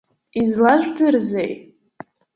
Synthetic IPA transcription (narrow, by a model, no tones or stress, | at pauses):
izlaʒʷdɨrzejt